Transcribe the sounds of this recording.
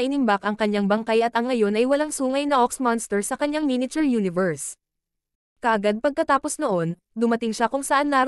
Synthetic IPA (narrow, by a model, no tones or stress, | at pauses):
ʔɪnɪmbakʔɐŋkɐɲːaŋbɐŋkajʔɐt̪ɐŋːɐjo̞nʔɐjwɐlaŋsuːŋɐjnɐʔoksmanst̪ɛɹsɐkɐɲːaŋminɪt͡ʃɛɹjuːnɪvɛɹs | kɐʔɐɡad̪̚pɐɡ̚kɐt̪aːpo̞snoʔo̞n | d̪ʊmɐt̪ɪŋʃakʊŋsɐʔanːaːɾ